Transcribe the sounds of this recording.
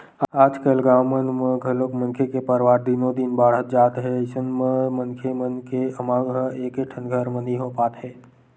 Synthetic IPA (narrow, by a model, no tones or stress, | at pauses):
aːd͡ʒkəlɡaːwmənmə̃ɡʱəlokmə̃nkʰekepəɾʋaːɾd̪ɪnod̪ɪnbaːɽ̤ət̪̚d͡ʒaːt̪ɦɛɪsənmẽmənkʰemənkeəmãːɡɦəeːkeʈʰənɡʱəɾməniɦoːpaːt̪ɦɛː